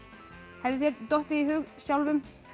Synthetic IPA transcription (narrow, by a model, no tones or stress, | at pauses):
hɛvðɪθjɛɾt̪ɔht̪ɪiɦʏɣsjawlvʏm